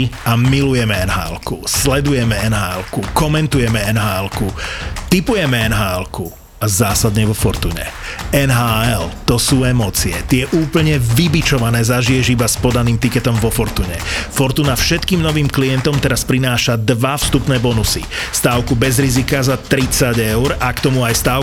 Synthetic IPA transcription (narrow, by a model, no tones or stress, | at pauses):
amilujɛmɛɛnɦa̰ːɛ̰lkuslɛd̪ujɛmɛɛnɦaːɛlkukɔmɛnt̪ujɛmɛɛnɦaːɛlkut̪ipujɛmɛɛnɦaːɛlku | azaːsad̪ɲɛʋɔfɔɾt̪ṵːɲɛ̰ | ɛnɦaːɛlt̪ɔsuːɛmɔːt͡siɛt̪ɪɛʔuːpl̩ɲɛʋibit͡ʃɔʋanɛːzaʒijɛʒibaspɔd̪aniːmt̪ikɛt̪ɔmʋɔfɔɾt̪uːɲɛ̰fɔɾt̪uːnafʃɛt̪kiːmnɔʋiːmkliɛnt̪ɔmt̪ɛɾaspɾinaːʃad̪ʋafst̪upnɛːbɔnusḭst̪aːʊkubɛzɾizikazat̪ɾit͡saɟɛʊɾakt̪ɔmuajst̪aː